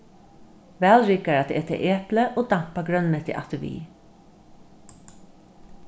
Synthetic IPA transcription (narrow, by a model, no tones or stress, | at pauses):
ʋæːlɹiːkaɹat̪ḛːt̪ʰə̰ʔeːpləʔoːd̪am̥paɡɾœnmɛt̪ʰɪ̰ʔa̰t̪əʋḭː